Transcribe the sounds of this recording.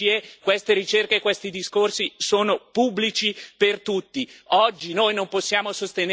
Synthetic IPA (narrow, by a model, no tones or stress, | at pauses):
iekwest̪eɾit͡ʃerkeːkwest̪id̪iskorsisoːnopubːlit͡ʃipert̪ut̪ːiɔd͡ʒːinojnomposːjaːmosost̪en